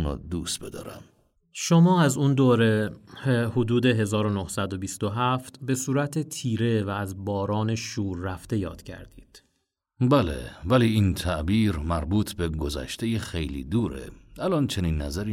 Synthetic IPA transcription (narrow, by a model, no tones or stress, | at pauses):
nɒ̰ːd̪uːst̪̚bed̪ɒ̰ːɾæ̰m | ʃomɒːæzund̪oːɾehhod̪uːd̪e̞ɦe̞zɒːɾonohsæd̪o̞bist̪o̞ɦæft̪be̞suːɾæt̪ʰet̪ʰiːɾe̞væːzbɒːɾɒːne̞ʃuːɾːæft̪e̞jɒ̰ːd̪̥cʰæ̰ɾd̪iːd̪̥ | bælḛvæliiːnt̪ʰæʔbiːɾmæɾbuːt̪ʰbeɡozæ̰ʃt̪ejexejlḭːd̪uːɾḛælɒnt͡ʃʰeniːnːæzæɾiː